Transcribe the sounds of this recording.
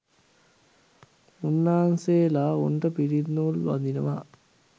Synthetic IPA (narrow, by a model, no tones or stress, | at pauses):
unːaːnseːlaṵɳʈəpiɾid̪nulʋa̰nd̪inəʋa